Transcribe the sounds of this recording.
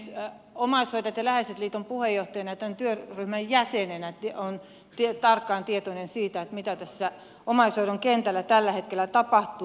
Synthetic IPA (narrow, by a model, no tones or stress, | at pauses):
omɑisoit̪ɑt̪jɑlæheset̪liːt̪ompuhejoht̪ɑjɑnɑjɑt̪ænt̪yøryhmæjjæsenenæt̪ion | t̪iet̪ɑrkːɑːnt̪iet̪onensiːt̪æet̪mit̪æt̪æsːæ | omɑisoiɾoŋkent̪ælːæt̪ælːæhet̪̚kelæt̪ɑpɑht̪u